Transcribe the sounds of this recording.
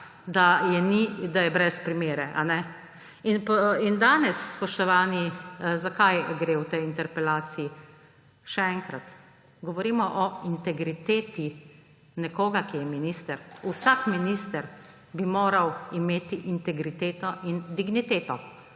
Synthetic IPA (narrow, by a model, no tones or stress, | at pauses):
d̪ajɛnid̪ajɛbɾɛspɾimeːɾɛʔa̰nɛ | inpind̪aːnɛsspɔʃt̪ɔʋaːnizakajɡɾewt̪ɛjint̪ɛɾpɛlaːt̪siː | ʃɛɛŋkɾat̪ | ɡɔʋɔɾiːmɔʔɔint̪ɛɡɾit̪eːt̪i | nɛkoːɡakijɛminist̪ɛɾusakminiːst̪ɛɾ | bimoːɾawimeːt̪iʔint̪ɛɡɾit̪eːt̪ɔʔind̪iɡnit̪eːt̪ɔ